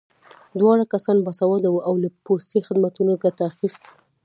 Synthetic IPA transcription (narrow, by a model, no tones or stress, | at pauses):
d̪wɑɽakasɑnbasawɑd̪awuʔawlapost̪exɪd̪mat̪unoɡat̪aːxist̪